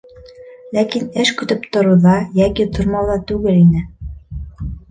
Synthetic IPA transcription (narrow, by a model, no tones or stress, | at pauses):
lækinɘʃkɵ̆t̪ɵpt̪ŏɾuðɑjækit̪ʰŏɾmɑwðɑt̪ʉɡɘlinɘ